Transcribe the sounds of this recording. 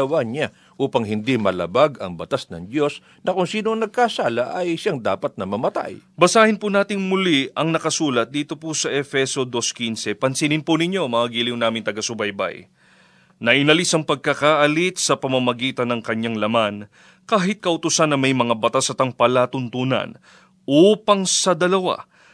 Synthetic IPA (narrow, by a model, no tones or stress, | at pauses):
ɐwaɲa | ʔuːpɐŋhɪnd̪imɐlɐ̰baɡɐ̰ŋbɐt̪asnɐ̰ŋd̪jo̞s | nɐkʊŋsiːnoɐŋnɐɡ̚kasaːlɐʔɐjʃaŋd̪aːpɐt̪̚nɐmɐmɐt̪a̰jbɐsaːhɪnpunaːt̪ɪŋmʊliʔɐŋnɐkɐsuːlɐt̪̚d̪iːt̪o̞pusɐʔɛfɛso̞d̪o̞skinsɛpɐnsinɪnpunɪɲo̞mɐaɡiːlɪŋnaːmɪnt̪ɐɡɐsʊbɐjbɐ̰j | nɐʔɪnɐlisɐŋpɐɡ̚kɐkaːʔɐlit̪̚sɐpɐmɐmɐɡiːt̪ɐnːɐŋkɐɲaŋlɐman | kaːɦɪt̪̚kɐʔʊt̪ʊsanɐŋmɐjmɐŋabɐt̪asɐt̪ɐŋpɐlat̪ʊnt̪uːnɐ̰n | ʔuːpɐŋsɐd̪ɐlɐwa̰